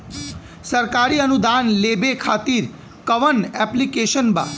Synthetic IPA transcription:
səɾkaɾiənud̪anlebekʰat̪iɾ | kəʋənɛplikeʃənbã̰

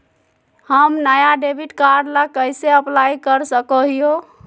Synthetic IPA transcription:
həmnəjaɖebʱiʈkaɾɖlakəjseəplajkəɾsəkɔɦijo

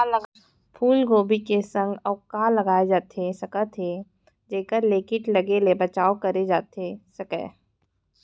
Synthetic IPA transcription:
l | pʰuːlɡoːbikesə̃ŋɡɔːkaːlɐɡaːed͡ʒaːt̪ʰesɐkət̪ʰe | d͡ʒeːkəɾleːkɪʈlɐɡelebɐt͡ʃaːokɐɾed͡ʒaːt̪ʰesɐkɛ̰ː

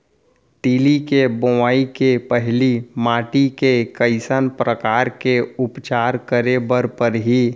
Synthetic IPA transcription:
t̪iːlikeboʋaːikepəɦlimaːʈikekəɪsənpɾəkaːɾkeʊpt͡ʃaːɾkəɾebəɾpəɾɦi

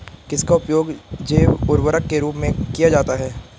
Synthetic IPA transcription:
kɪskaʊpjoːɡd͡ʒeːʊɾwəɾəkːeɾuːpmẽkijad͡ʒaːt̪aɦɛː

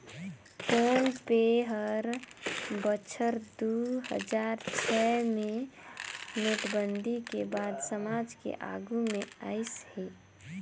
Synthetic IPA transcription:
poːnpeɦəɾ | bət͡ʃʰəɾd̪uɦə̰d͡ʒaːɾt͡ʃʰɛmẽ | met̪bənd̪ʱikebaːd̪səmaːd͡ʒkḛʔa̰ːɡumẽə̰ɪshe

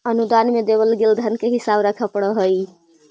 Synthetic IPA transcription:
ənud̪anmed̪eβəlɡeld̪ʱankeɦisabɾəkʰəpəɽəɦəj

